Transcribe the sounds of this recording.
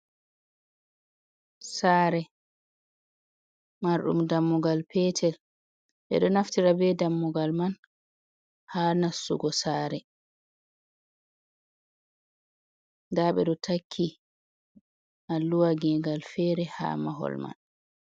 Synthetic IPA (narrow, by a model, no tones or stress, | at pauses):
saːɾɛ | maɾɗṵmdamːuɡalpɛːtʰɛl | ɓɛ̰ɗɔnaftiɾabɛdamːuɡalman | haːnasːṵɡɔsaːɾɛ | daɓɛ̰ɗɔtʰakʰːi | ʔalːuwaɡɛɡalfɛːɾɛha̰ːmaɦɔ̰lma̰n